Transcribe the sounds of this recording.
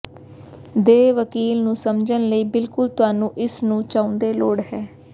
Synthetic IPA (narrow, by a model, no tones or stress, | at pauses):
d̪eːʋəkiːlnũːsəmd͡ʒənləiːbɪlkʊlt̪ʊaːnũːʔɪsnũːt͡ʃaːʊ̃nd̪eːloːɽɦɛː